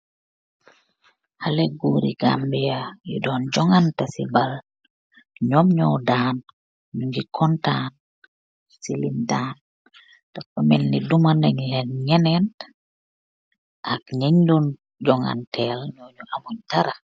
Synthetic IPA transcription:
halɛɡuɾḭɡambɛjajṵdɔːnd͡ʒɔŋantasḭbal | ɲɔmɲɔwdaːn | ɲuɡikʰɔntaːn | silindaːn | takːɔmɛlnidumanaŋlɛnɲɛnɛn | ʔakɲɛɲdɔn | d͡ʒɔŋa̰ntʰɛlɲɔɲuʔamuɲtaɾa

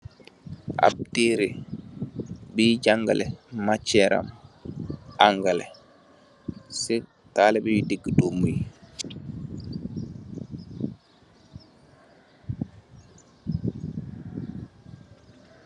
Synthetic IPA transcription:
ʔa̰p̚tiɾi | biɟaŋɡalɛmat͡ʃːɛɾa̰m | aŋɡalɛ | si | taːlɛbijidiɡːidomuj

